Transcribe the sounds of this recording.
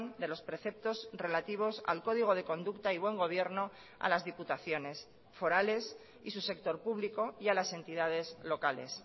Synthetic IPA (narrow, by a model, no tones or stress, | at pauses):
nd̪e̞lo̞spɾe̞θe̞p̚t̪o̞zre̞lat̪iβ̞o̞sa̰lko̞ð̞iɣ̞o̞ð̞e̞ko̞nd̪ukt̪aiβwe̞ŋɡo̞β̞je̞ɾno̞ | a̰lazðiput̪aθjo̞ne̞s | fo̞ɾale̞s | isuse̞k̚t̪o̞ɾpuβliko̞jalase̞nt̪iðaðe̞zlo̞kale̞̰s